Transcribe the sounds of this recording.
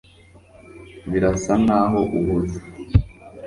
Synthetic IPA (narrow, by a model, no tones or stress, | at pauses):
βiɾasanaːɦo̞ʔuβuzu